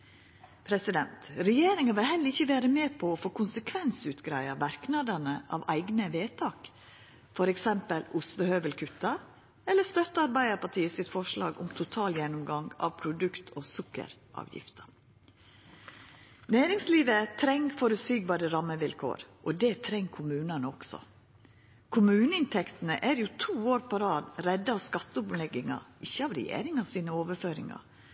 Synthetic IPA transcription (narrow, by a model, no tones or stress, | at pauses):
pʰɾɛsɪd̪ɛnt̪ɾɛjeːɾɪŋɑʋɪlhɛləɾɪçːəʋæːɾəmeːpʰɔːfoːkʰʊnsəkʰʋɛnsʉːt̪ɡɾæɪɑʋæɾknɑd̪ənəʔɑ̰ʋæ̰ɪɡnəʋeːt̪ʰɑːk | fɔɾɛksɛmpəlʊst̪əhøːʋəlkʰʉt̪ɑ | ɛlːəst̪œt̪ːəɑɾbæɪəɾpɑʈʰiːəsɪt̪fɔʂlɑ̰ːɡʊ̰mt̪ʰʊt̪ʰɑːljɛnʊmɡɑŋɡɑ̰ʋpʰɾʊd̪ʉkt̪ʰoːsʊkːə̰ɾʔɑ̰ːʋjɪ̰ft̪ʰə̥ | næːɾɪŋsliːʋət̪ʰɾɛŋfɔɾʉsyːɡ̚bɑːɾəɾɑmːəʋɪlkʰo̰ːɾʔɔd̪ɛːt̪ʰɾɛŋːkʰʊmʉːnɑnəɔɡ̥sɔ̰ | kʰʊmʉːnəɪnt̪ʰɛkt̪nəʔæːɾjuːt̪ʰuːoːɾpʰɔɾɑːd̪ɾɛd̪ːəɑːʋskɑt̪ːəʊplɛɡɪŋɑ̰ʔɪçːəɑːʋɾɛ̰jḛːɾɪŋɑsiːnəoːʋəføːɾɪ̰ŋɑ̰